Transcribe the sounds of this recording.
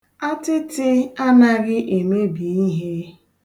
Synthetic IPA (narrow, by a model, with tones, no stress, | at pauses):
a˦tɪ˦tɪ˦a˦na˦ɣɪ˦ʔe˨me˦bi˨i˦ɦe˦